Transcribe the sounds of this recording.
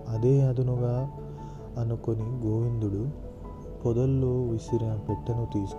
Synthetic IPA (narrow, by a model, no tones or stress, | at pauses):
ɐd̪e̞ːɐd̪unuɡaː | ɐnuko̞niɡoːʋind̪uɽu | pɔd̪ɐlːoːʋisiɾinɐpeʈːɐnut̪iːsu̥